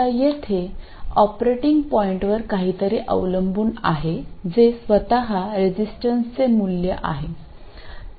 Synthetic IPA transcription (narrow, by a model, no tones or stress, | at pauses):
ajet̪ʰe | ɔpɾeʈiŋɡpɔiɳʈʋəɾkaɦiːt̪əɾiːʔə̰ʋləmbuːna̰ɦed͡zesʋət̪aɦaɾed͡ʑisʈənst͡semuljəʔa̰ɦe